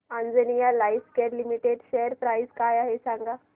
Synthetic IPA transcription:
and͡zənijalajskeɾlimiʈeɖʃejəɾpɾaizkajaɦesaŋɡa

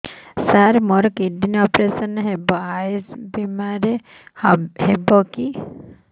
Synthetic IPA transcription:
saɾmɔɾɔkiɖinɔpɾesɔnɦebɔaesbemaɾe | hhebɔki

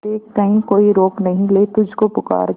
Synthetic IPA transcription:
eːk̚kɐɦĩkoːiɾoːknɐɦĩleːt̪ʊd͡ʒʱkopʊka̰ːɾ

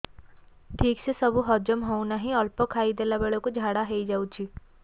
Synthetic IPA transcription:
ʈʰiːksesɐbuɦɔːd͡ʒəmɦounaɦĩɔlpokʰaːid̪eːlabeɭokod͡ʒʱaːɽaɦeid͡ʒaːut͡ʃʰiː

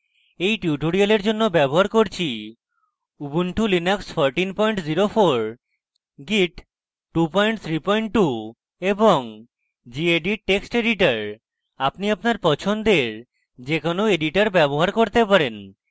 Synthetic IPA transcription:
ejʈjiuʈoɽialeɾd͡ʑonːobɛboɦaɾkoɾt͡ɕʰi | ubunʈulinaksfʰɔɾʈinpɔjɳʈziɾofoɾ | ɡiʈ | ʈupɔjɳʈ̚t̪ʰɾipɔjɳʈʈːu | eboŋ | d͡ʑieɖiʈeksʈeɖiʈaɾ | apniapnaɾpɔt͡ɕʰond̪eɾ | d͡ʑekonoeɖiʈaɾbɛboɦaɾkoɾt̪epaɾen

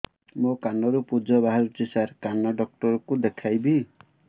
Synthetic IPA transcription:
mokanɔɾupud͡ʒɔbaɦaɾut͡ʃisaɾkanɔɖɔk̚ʈɔɾɔkud̪ekʰajbi

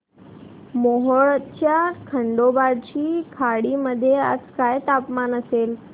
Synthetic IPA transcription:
moːɦoɭətt͡ɕʰakʰə̃ɳɖobaːɖt͡ɕʰiːkʰaːɽiməd̪ʱjeə̰sʰkaːet̪aːpmaːnəseːl

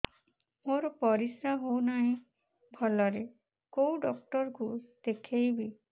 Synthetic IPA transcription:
moɾɔpɔɾisaɦownaɦĩ | bʱɔlɔɾe | kowɖɔk̚ʈɔɾkud̪̥ekʰejbi

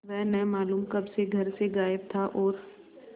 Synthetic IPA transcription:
ʋɛɦnɛɦmaːluːmkɐbseɡʱɐɾseɡaːjɪb̚t̪ʰaʔɔːɾ

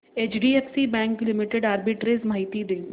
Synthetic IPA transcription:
eːt͡ʃɖiːefsibɛ̃ːŋklɪmɪʈeɖaːɾbɪʈɾezmaɦɪt̪id̪ɪ̃ŋ

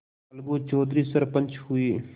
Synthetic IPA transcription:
ɐlɡoːt͡ʃoːd̪ɾiːsɐɾpə̃nt͡ʃhʊiː

